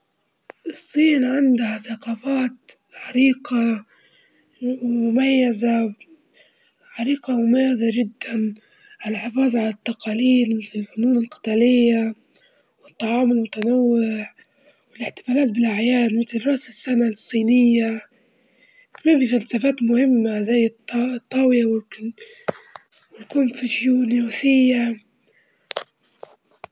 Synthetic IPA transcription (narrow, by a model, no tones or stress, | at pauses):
ʔɨsˤːiːnʕɪnd̪ahaθɑqɑːfaːt̪ | ʕɑɾiːqɑ | wmmʊmajːaza | ʕɑɾiːqɑmʊmajːazaʒɪd̪ːan | ʕalaħɪfɑːðʕalat̪ːɑqɑːliːlmɪt̪lɪlfʊnuːnɪlqɪ̥t̪aːlɪjːa | wɪt̪ˤːɑʕɑːmɪlmʊt̪anawːɪʕ | wɪlɪħt̪ɪ̥faːlaːt̪̚bɪlʔaʕjaːlmɪt̪lrˤɾˤɑʔsɪsːanalsˤːiːnɪjːa | kmiːmbifalsafaːt̪mʊhɪmːazajːt̪t̪ˤːɑwɪjawɪ | wɪlkuːnfiʒjuːnjuːsɪjːa